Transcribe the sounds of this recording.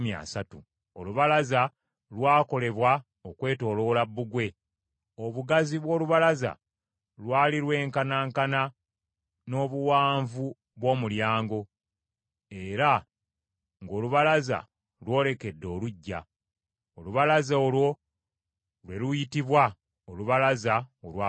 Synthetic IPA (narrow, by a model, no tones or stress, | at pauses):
mjia̰ːsatu | o̞luβalaza | lwaːko̞le̞βwa | okwe̞ːto̞ːlo̞labːuɡwe̞ | o̞βuɡaziβwo̞ːluβalaza̰ | lwaːliɾwe̞ːŋkanaːŋkana | no̞ːβuwaːɱvu | βwo̞ːmuljaːŋɡo̞ | e̞ɾa | ŋɡo̞ːluβalaza̰ | lwo̞ːle̞ke̞dːo̞ːluɟːa̰ | oluβalazaoːlwo̞ | lwe̞lujitiβwa | oluβalazaolwaː